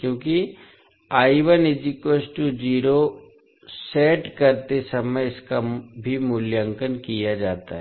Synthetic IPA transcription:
kjõːki | aːɪʋənɪd͡ʒikoːsʈud͡ʒiːɾo | seːʈkɐɾt̪esɐməjɪskabʱimʊljə̃ŋkənkijad͡ʒaːt̪a̰ɦɛ

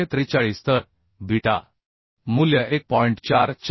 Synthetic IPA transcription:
ẽt̪ɾit͡ɕaɭist̪əɾ | bʱiʈa̰ | muljaʔek̚pɔiɳʈt͡ɕaɾt͡ɕ

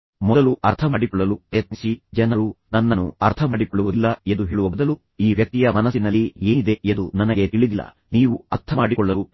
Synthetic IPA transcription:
mɔd̪ɐluʔɐɾt̪ʰɐmaːɽikɔɭːɐlupɾɐjɐt̪̚nisid͡ʒɛnɐɾunɐnːɐnːuɐɾt̪ʰɐmaːɽikɔɭːuʋud̪ilːɐend̪uɦeːɭuʋɐbud̪ɐlu | iːʋjɐk̚t̪ijɐmɐnɐsinɐlːieːnid̪e̞ʔend̪unɐnɐɡe̞t̪iɭid̪ilːɐ̰ | niːʋuɐɾt̪ʰɐmaːɽikɔɭːɐlu

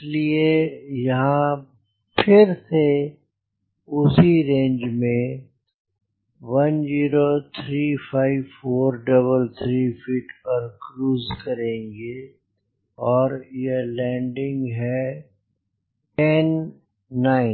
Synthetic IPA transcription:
liejɐɦã | pʰɪɾse | ʊsiɾẽːɲd͡ʒmẽ | ʋɐnd͡ʒiːɾot̪ʰɾiːpʰaːɪʋfoːɾɖɐβəlt̪ʰɾiːfʰiːʈpɐɾkɾuːzkɐɾẽːŋɡe | ɔːɾjelɛ̃ːɳɖɪ̃ŋɡɦɛ | ʈɛnː | aːɪ

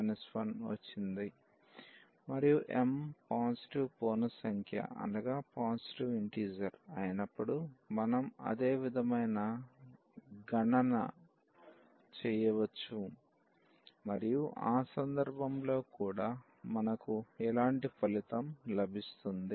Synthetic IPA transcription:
nɐspɐnʋɐ̰t͡ʃːind̪i | mɐɾijuʔḛmpaːnsi̥ʈiʋpoːnɐsɐŋkʰjɐ̰ɐ̰ndɐɡaːpaːnsi̥ʈiʋiɳʈiːd͡ʒɐɾɐjɐnɐpːuɽumɐnɐmɐ̰d̪e̞ːʋid̪ʱɐmɐjnɐ | ɡɐɳɐnɐ̰ | t͡ʃɛːjɐʋɐt͡ʃːu | mɐɾijuʔaːsɐnd̪ɐɾbʱɐmlo̞ːkuːɽaː | mɐnɐkuɛlaːɳʈipʰɐlit̪ɐmlɐbʱist̪und̪i

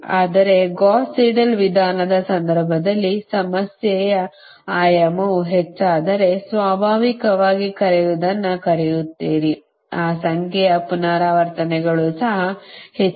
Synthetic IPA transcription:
aːd̪ɐɾe̞ɡaːsiːɖɐlʋid̪ʱaːnɐd̪ɐsɐnd̪ɐɾbʱɐd̪ɐlːisɐmɐsjɛjɐ | aːjɐmɐuɦet͡ʃːaːd̪ɐɾe̞sʋaːbʱaːʋikɐʋaːɡikɐɾɛjud̪ɐnːɐkɐɾɛjut̪ːiːɾi | aːsɐŋkʰɛjɐpunaːɾaːʋɐɾt̪ɐnɛɡɐɭusɐɦɐhe

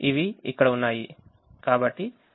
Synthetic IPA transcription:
iʋiikːɐɽɐunːaːji | kaːbɐʈːi

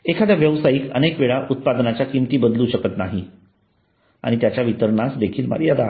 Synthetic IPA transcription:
ekʰad̪jaʋjəʋsaikə̰nekʋeɭaʔut̪̚pad̪nat͡ɕjakimt̪iːbəd̪luɕəkət̪naɦi | a̰ɽ̃it̪jat͡ɕjaʋit̪əɾɳasd̪ekʰiːlma̰ɾijad̪a

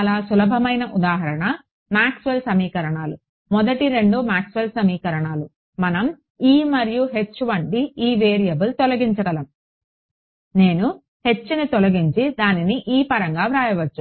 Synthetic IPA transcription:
ɐlaːsulɐbʱɐmɐjnɐʔud̪aːɦɐɾɐɳɐ | maːksʋelsɐmiːkɐɾɐɳaːlu | mɔd̪ɐʈiɾe̞ɳɖumaːksʋelsɐmiːkɐɾɐɳaːlu | mɐnɐm | iːmɐɾijuɦe̞t͡ʃːuʋɐɳʈiiːʋeːɾijɐbult̪ɔlɐɡiɲt͡ʃɐɡɐlɐm | ne̞ːnu | he̞t͡ʃːunit̪ɔlɐɡiɲt͡ʃid̪aːniniʔiːpɐɾɐŋɡaːʋɾaːjɐʋɐt͡ʃːu

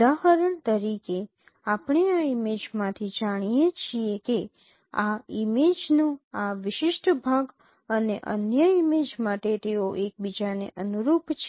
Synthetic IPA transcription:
aɦəɾəɳt̪əɾike | apɳ̃eaimed͡ʒmãt̪ʰid͡ʒaɽ̃ijet͡ʃʰieke | aimed͡ʒnoaʋɪʃɪʃʈbʱaɡ | əneʔə̰njəimed͡ʒmaʈet̪eoʔek̚bid͡ʒaneʔənuɾupt͡ʃʰ

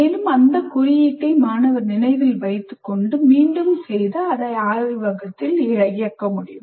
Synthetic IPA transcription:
eːlɯmɐnd̪ɐkʊrɪjiʈːɐɪmaːnɐʋɐɾnɪnɐɪʋɪlʋɐɪt̪ːɯkːɔɳɖɯmiːɳɖɯmsɛjðɐɐðɐɪaːɻɪʋɐɣɐt̪ːɪlɪɻɐjɪjɐkːɐmʊɽɪjɯm

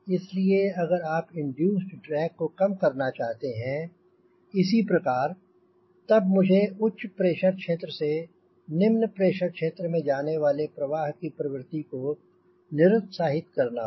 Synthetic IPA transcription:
ɪslieɐɡəɾaːpɪ̃ɳɖjuːsɖʈɾɛːkːokɐmkɐɾnat͡ʃaːɦt̪eɦɛ̃ | ɪsipɾɐkaːɾ | t̪ɐb̚mʊd͡ʒʱeʊʃʰpɾeːʃəɾkʃeːt̪ɾəse | nɪmnpɾeːʃəɾkʃeːt̪ɾəmẽd͡ʒaːneʋaːlepɾɐʋaːɦkipɾɐʋɾɪt̪iko | nɪɾʊt̪saːɦɪt̪kɐɾna

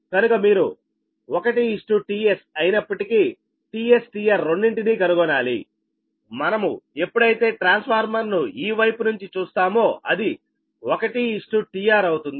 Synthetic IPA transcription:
kɐnukɐmiːɾṵ | ɔkɐʈiːsʈuʈiːesɐjinɐpːɐʈikiː | ʈiːe̞sʈijaːɾːoɳɖiɳʈiniːkɐnuɡɔnaːlḭ | mɐnɐmṵe̞pːuɽɐjit̪e̞ːʈɾaːnspʰaːɾmɐɾnuiːʋɐjpunuɲt͡ʃit͡ʃuːst̪aːmoːɐd̪i | ɔkɐʈiːsʈuʈijaːɾɐwut̪und̪i

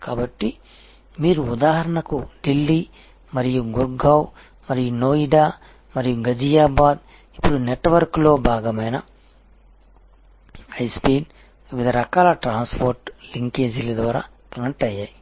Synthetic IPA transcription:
kaːbɐʈːi | miːɾuːd̪aːɦɐɾɐɳɐkuɖilːi | mɐɾijuɡuɾɡɐw | mɐɾijunoːiɖaː | mɐɾijuɡɐd͡ʒijaːbaːd̪̚ | i̥pːuɽuneʈːʋɐɾklo̞ːbʱaːɡɐmɐjnɐ | ɐjspiːn | ʋid̪ʱɐɾɐkaːlɐʈɾaːnspʰoːɾʈliŋkeːd͡ʒilɐd̪ʋaːɾa̰ːkɐnɐʈɐjːaːji

